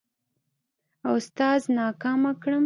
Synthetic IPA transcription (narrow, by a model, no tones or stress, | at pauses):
awst̪ɑznɑkɑmakɽəm